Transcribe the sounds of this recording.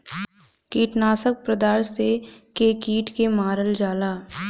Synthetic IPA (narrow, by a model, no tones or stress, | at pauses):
kiːʈnaːsək̚pɾəd̪aːɾsekeːkiːʈkemaːɾəld͡ʒaːlaː